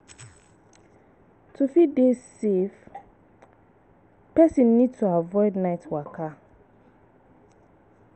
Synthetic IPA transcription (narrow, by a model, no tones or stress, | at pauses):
tʰufidesef | pɛsĩnːidtʰuavɔɪdnaɪtwaka